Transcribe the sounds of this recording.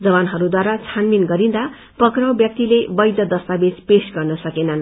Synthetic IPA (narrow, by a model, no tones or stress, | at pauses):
d͡zʌβanɦʌɾud̪waɾat͡sʰanminɡʌɾind̪a | pʌkrʌwbjʌk̚t̪ilebʌjd̪ʌd̪ʌst̪abed͡zpesɡʌrnʌsʌkenʌn